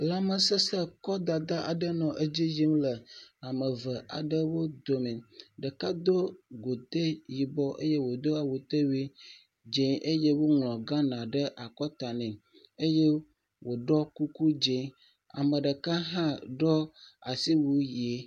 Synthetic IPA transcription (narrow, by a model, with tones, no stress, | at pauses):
la˨mə˨sə˦sə˦kɔ˦d̪a˨d̪a˦ʔa̰˨ɖə˦nɔ̃˨ʔe˦d͡ʑi˦ji˦m˦lə˨a˨mə˨və˨ʔa̰˨ɖə˦wo˦d̪o˨mĩ˨ɖə˨ka˦d̪o˦ɡo˨t̪e˦ji˨bɔ˦ʔe˦je˦wo˨d̪o˦a˨wu˨t̪e˦wi˦ | d͡ʒẽ˨˦ʔe˦je˦wo˦ŋlɔ̃˨ɡã˦nã˨ɖə˦ʔa˨kɔ˦t̪a˨nɛ̃˨ | e˦je˦ | wo˨ɖɔ˦ku˦ku˦d͡ʒe˦ | a̰˨mə˨ɖə˨ka˦ɦã˦ɖɔ˦a˨si˦wu˦ji˨e˦